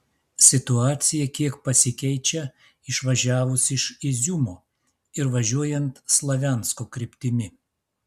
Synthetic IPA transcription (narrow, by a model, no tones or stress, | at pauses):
sʲɪt̪ʊɑːt̪sʲɪjɛkʲiɛkpɐsʲɪkʲɛɪt͡ʃʲɛ | ɪʃʋɐʒʲæːʋʊsɪʃɪzʲʊmoː | ɪɾʋɐʒʲuɔjɛnt̪slˠɐʋʲæˑnskoːkɾʲɪpʲt̪ʲɪmʲɪ